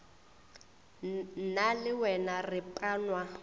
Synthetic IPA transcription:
nalɪwɛnarɪpʼanwa

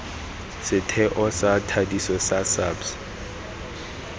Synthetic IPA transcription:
sɪtʰɛʔɔsatʰadisɔsasabs

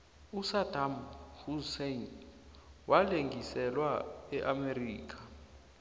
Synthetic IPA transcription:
usadʱamhusen | wʔaleŋʱisɛlwaɛʔameriːkʰḁ

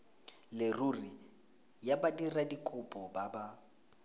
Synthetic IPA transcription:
lɪruri | jabadiradikʼʊpʼɔbaba

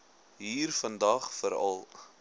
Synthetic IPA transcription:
ɦiːrfəndɐχfəɾɐ̰lˠ

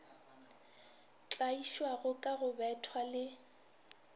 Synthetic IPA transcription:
t͡ɬʼaiʃwaɣʊkʼaɣʊbɛtʰwalɪ

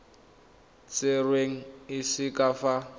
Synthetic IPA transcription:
t͡sʼɪrweŋ̩ɪsɪkʼafa

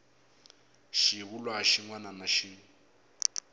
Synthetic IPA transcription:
ʃiβulwaʃiŋwananaʃi

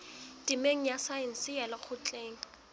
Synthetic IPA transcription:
timeŋ̩jasaɛn̩sɪjɛlak͡xʰʊt͡ɬʼeːŋ̩

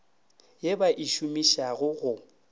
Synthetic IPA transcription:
jebaʔiʃumiʃaɣʊɣʊ

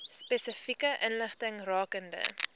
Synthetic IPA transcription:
spɛsəfikəʔənləχtəŋrɑːkəndə̰

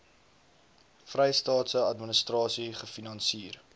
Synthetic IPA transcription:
frɛjstɑːtsəɐtmənəstrɑːsiχəfinɐnsiːr

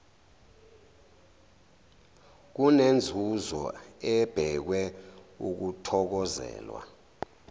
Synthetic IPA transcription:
k̬unend͡zʱuzɔ̰ɛb̥ʱɛk̬wɛuk̬utʰɔk̬ɔzɛ̰ːlwa̰

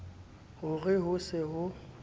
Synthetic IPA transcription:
hʊɣɪɦʊsɪɦʊ

